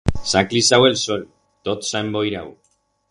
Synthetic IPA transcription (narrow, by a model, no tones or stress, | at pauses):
saklisawelsoɾi | t̪ot̪saembojɾaw